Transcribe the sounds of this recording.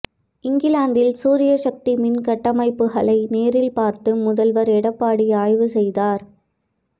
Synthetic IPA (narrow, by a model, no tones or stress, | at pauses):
ɪŋɡɪlaːnd̪ɪlsuːɾɪjɐʂɐk̚t̪imɪnkɐʈːɐmɐɪpːɯɣɐɭɐɪneːɾɪlpaːɾt̪ɯmʊðɐlʋɐɾɛɽɐpːaːɽiaːjʋɯsɛjðaːɾ